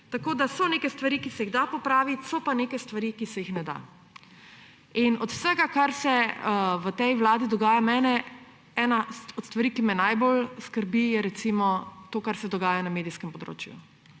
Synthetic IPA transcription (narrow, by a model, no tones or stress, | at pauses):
t̪akoːd̪asɔnekɛst̪ʋaɾikisɛjiɣd̪apɔpɾaːʋit̪sɔpaneːkɛst̪ʋaɾikisɛjixnɛd̪a̰ | inɔt̪w̥səɡakaɾsɛʋət̪ɛjwlaːd̪id̪ɔɡaːjamɛːnɛ | ɛːnaɔt̪st̪ʋaɾikimɛnajbolskəɾbijɛɾɛt̪simɔt̪oːkaɾsɛd̪ɔɡaːjanameːd̪iskɛmpɔd̪ɾo̰ːt͡ʃjṵ